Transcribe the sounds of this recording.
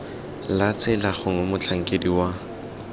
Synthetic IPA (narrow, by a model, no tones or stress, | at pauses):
lat͡sʼɪlaχʊŋomʊt͡ɬʰaŋ̩kʼediwa